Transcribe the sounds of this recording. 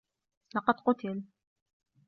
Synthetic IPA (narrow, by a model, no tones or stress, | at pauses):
lɑqɑd̪qʊt̪ɪl